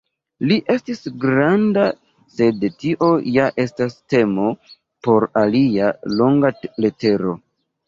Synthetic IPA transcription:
liʔe̞stisɡɾanda | se̞dtiʔo̞jaʔe̞staste̞mo̞ | po̞ɾalialo̞ŋɡale̞te̞ɾo̞

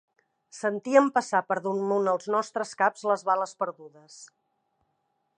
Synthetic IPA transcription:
sənt̪iəmpəsapəɾðunmunəlˠznɔst̪ɾəskapz̥ləzβaləspəɾðuðəs

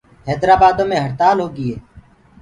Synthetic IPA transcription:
ɦɛːd̪ɾaːbaːd̪õːmẽːɦəɽt̪aːlɦoːɡɪeː

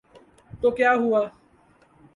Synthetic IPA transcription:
t̪okeaɦua

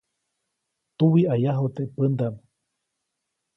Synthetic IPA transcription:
t̪uwiajaɦot̪eʔpɨnd̪am

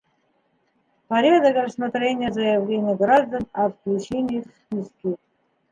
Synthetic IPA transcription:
pɐɾʲad̪əkɾəsmat̪ɾʲenʲɪjəzəjɐvlʲenʲɪjəɡɾaʐd̪ənɐfklʲut͡ɕenʲɪxʲ | iskʲi

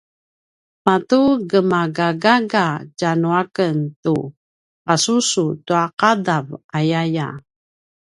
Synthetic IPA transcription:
matuɡəmaɡaɡaɡad͡ʒanuakəntu | pasusutuaqadavajaja̰

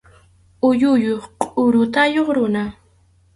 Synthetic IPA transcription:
ʊjʊjoχqʼʊɾʊt̪ajoχɾʊna

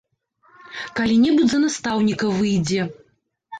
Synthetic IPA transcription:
kalʲinʲɛbudʲzɐnast̪awnʲikɐvɨjd͡zʲɛ

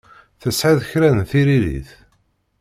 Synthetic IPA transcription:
θəsʕaðçɾænnθiɾilḭθ

